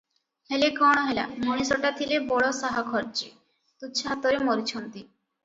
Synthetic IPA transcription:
helekɔɽ̃oɦela̰moɽisoʈat̪ʰilebɔɭosaɦakʰɔɾt͡ɕi | t̪uːt͡ʃʰaɦat̪oɾemoɾit͡ɕʰont̪i

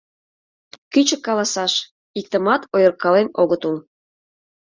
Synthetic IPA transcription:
kyt͡ɕəkːɑlɑsɑʃ | ik̚t̪əmɑt̪ʰojərkːɑlenoɣət̪ul

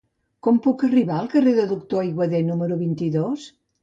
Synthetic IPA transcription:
kɔmpukəriβaəlˠkəreðəðuk̚t̪oəjɣwəðenuməɾuβint̪iðos

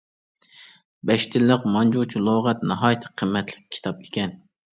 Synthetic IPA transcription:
bɛʃt̪ʰɪlːəqmɑnd͡ʒut͡ʃʰilˠoʁɛt̪nɑɦɑːjt̪ʰɨ̥qʰəmːɛt̪ʰlɪ̥k̚ʲʰːi̥t̪ʰɑp̚e̥kʲʰɛn

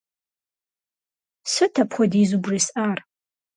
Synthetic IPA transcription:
sɨtʰɐpʰχʷɔdiːzubrisʔaːr

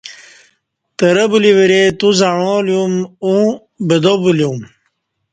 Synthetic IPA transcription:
t̪ɐɾɐbuliʋiɾet̪uzaɻoljumũ | bed̪obuljum

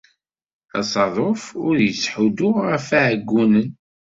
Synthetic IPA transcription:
æ̰sˤɑðˤofʊɾjəsħud̪ʊʁəfaʕɡʷːunən

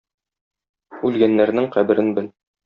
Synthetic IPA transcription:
ʉlɡænːæɾnɘŋqæbɘ̆ɾɘnbɘl

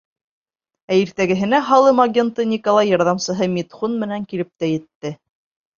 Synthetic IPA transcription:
æiɾt̪æɡɘ̆ɦɘ̆næɦɑlˠɤmaɡʲe̞nt̪ɤnʲikolˠɑjːɑɾðɑmsɤ̆ɦɤmʲit̪χunmɘ̆næŋkilɘp̚t̪æjɘ̆t̪ːɘ

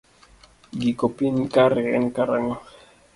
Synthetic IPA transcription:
ɡikopinkaɾɛɛ̰nkaɾaŋɔ

